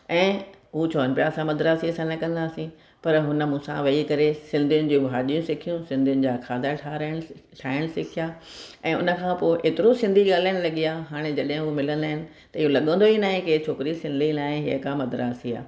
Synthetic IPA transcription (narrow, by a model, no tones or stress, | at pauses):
ɛ̃ːɦuːt͡ɕʰoːənpɪjasãmɐd̪ɾaːsiɐsãnɐkɐ̃nd̪aːsĩ | pɐɾɦʊnə̆mũːsã̰ʋɐikɐɾesɪ̃nd̪ʱijʊnɪ̆d͡ʑuːbʱaːɗijũsɪkʰijũsɪ̃nd̪ʱijʊnɪ̆d͡ʑaːkʰaːd̪ʱaʈʰaɾəɽ̃ʈʰaːɪɽ̃sɪkʰijaːɛ̃ːʊ̰nə̆kʰãːpoːʔeːt̪ɪɾosɪ̃nd̪ʱiɠaːl̤aːɪɽ̃lɐɠiaːɦaːɽ̃ed͡ʑɐɗɦɪ̃ɦumɪlə̃nd̪aːɦɪnɪ̆ | t̪ɐɪɦolɐɠə̃nd̪oinaːɦẽket͡ɕʰoːkɪɾisɪ̃nd̪ʱinaːɦẽɦiəkamɐd̪ɾa̰ːsia̰ː